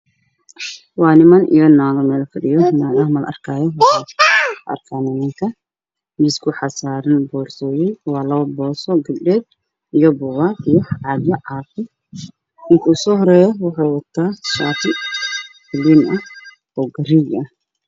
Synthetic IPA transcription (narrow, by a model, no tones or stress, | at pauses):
wɑːnɪmɐnʔḭjɔnaːɣɐmɛːlɐfɐɖɪjɔnaːɣɐmɐlʔɐ̰rkʰaːjɔwaɐ̰rkʰaːnɐmɐŋk̪ʰɐ | mɪskʰʊħɑsaːɾɐnbɔːrsɔːjɛjwɑːlɐɐbɔːsɔɡɐɖɛːd̪̚ | ijɔbʊwaːt̪ijɔhʕɑd̪jɐʕaːfɪ | ɪŋkʰɐʊsɔːhɔɾɛːjɔwɑħɑjwɑt̪ʰaːʃaːt̪ɪ | fɪlinʔɐh | ɔːɡɐriɡɐh